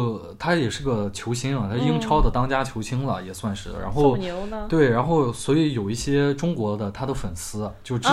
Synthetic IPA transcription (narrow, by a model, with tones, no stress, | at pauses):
t̪ʰa˥jɛ˨˩ʂɻ̩˥˩ɡə˩t͡ɕʰjo˧˥ɕʰi˧˥ŋ˨˩t̪ʰa˥i˥i˥ŋʈ͡ʂʰɑ˥ʊd̪ə˨t̪ɑ˥ŋt͡ɕja˥t͡ɕʰjo˧˥ʊɕʰi˥ŋlə̰˨˩jɛ˨˩swa˥˧nʂɻ̩̰˥˩ɻa̰˧˥xo˥˩ʊ˧˥t̪we˥˩ɪɻa˧˥nxo˥˩ʊswɔ˧˥i˧˥jo˨˩ʊi˥˩ɕjɛ˥ʈ͡ʂʊ˥ŋkwɔ˧˥d̪ə˧t̪ʰa˥d̪ə˧fə˨˩nsɹ̩˥t͡ɕjo˥˩ʊʈ͡ʂ